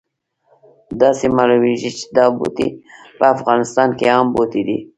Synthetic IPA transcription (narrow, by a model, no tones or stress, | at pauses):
d̪ɑsemaluweʒit͡ʃe̥d̪ɑbo̰t̪ḭ | pəafɣɑnɪst̪ɑnkeɑmbot̪id̪ḭ